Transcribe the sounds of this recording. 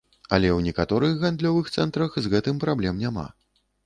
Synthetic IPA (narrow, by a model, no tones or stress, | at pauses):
ɐ̰lʲɛwnʲikat̪ɔɾɨxɣand̪lʲɔvɨxt̪sɛnt̪ɾɐxzɣɛt̪ɨmpɾablʲɛmnʲama̰